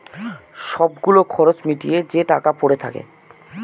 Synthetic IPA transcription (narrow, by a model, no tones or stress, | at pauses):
ʃɔbɡulokʰɔɾot͡ɕmiʈijed͡ʑeʈakapoɾet̪ʰa̰kḛ